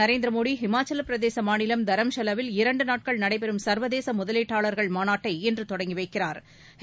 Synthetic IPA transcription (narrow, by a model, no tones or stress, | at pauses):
ɐɾeːnd̪ɾɐmoːɽiɦɪmaːt͡ʃːɐlpɪɾɐðeːsɐmaːnɪlɐmd̪ɐɾɐmʃɐlɐʋɪlɪɾɐɳɖɯnaːʈ̚kɐɭnɐɽɐɪpɛɾɯmsɐɾʋɐðeːsɐmʊðɐleːʈːaːɭɐɾɣɐɭmaːnaːʈːɐɪɛndrɯt̪ɔɽɐŋɡɪʋɐɪkːɪraːɾ | h